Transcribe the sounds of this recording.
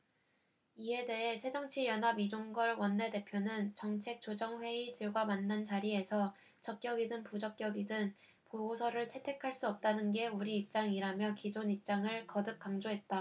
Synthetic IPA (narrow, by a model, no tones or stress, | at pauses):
ie̞de̞ɦe̞sʰe̞d͡ʑʌŋt͡ɕʰijʌnɦabid͡ʑoŋɡʌɭwʌnːe̞de̞pʰjonɯnt͡ɕʌŋt͡ɕʰe̞k̚t͡ɕ͈od͡ʑʌŋɸwe̞itɯɭɡwamanːant͡ɕaɾie̞sʰʌ | t͡ɕʌk̚k͈jʌɡidɯnpud͡ʑʌk̚k͈jʌɡidɯn | poɡosʰʌɾɯɭt͡ɕʰe̞tʰe̞kʰaɭs͈uʌp̚t͈anɯnɡe̞uɾiːp̚t͡ɕ͈aŋiɾamjʌkid͡ʑonip̚t͡ɕ͈aŋɯɭkʌdɯk̚k͈amd͡ʑoɦe̞t̚t͈a